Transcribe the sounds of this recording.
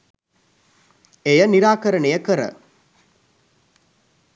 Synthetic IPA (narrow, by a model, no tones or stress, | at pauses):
ejɐnɪɾaːkɐɾɐɳɐjɐkɐɾɐ̰